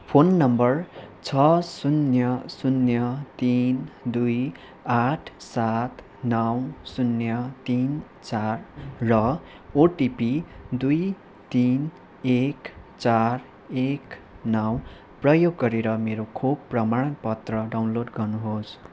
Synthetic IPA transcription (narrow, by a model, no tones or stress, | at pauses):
pʰonːʌmbʌrt͡sʰʌsunjʌsunjʌt̪ind̪uj | aʈʰsat̪ | nʌwsunjʌt̪in | t͡sarːʌ | oʈipid̪uj | t̪in | ekt͡sar | ek | nʌw | prʌjoɡːʌɾeɾʌmeɾokʰob̚prʌmaɽ̃ʌnpʌt̪rʌɖawnloɖɡʌrnuɦos